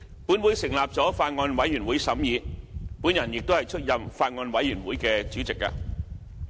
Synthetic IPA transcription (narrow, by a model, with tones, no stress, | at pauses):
puː˨˥nwuː˨˥jsɪ˨˩ŋlaː˨p̚t͡sɔː˨˥faː˧t̚ŋɔː˧nwɐ˨˥jɥyː˨˩nwuː˨˥jsɐ˨˥mjiː˨˧puː˨˥njɐ˨˩njɪ˨k̚t̪o˥whjt͡sʰɵ˥t̚jɐ˨mfaː˧t̚ŋɔː˧nwɐ˨˥jɥyː˨˩nwuː˨˥jkɛː˧t͡syː˨˥t͡sɪ˨k̚a̰ː˧